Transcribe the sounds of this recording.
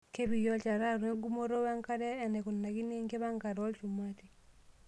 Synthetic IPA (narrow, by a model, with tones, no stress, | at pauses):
ke˦βi˨jɔ˦t͡ʃa˨ɾa˦ɾwe˦ŋɡu˦mo˦ɾo˦wa˦ŋka˦ɾɛː˦˨nɛ˨ku˨nːa˨ki˦ne˦ŋke˦βa˦ŋka˨ɾɔ˦lt͡ʃu˨mwa˦ti˨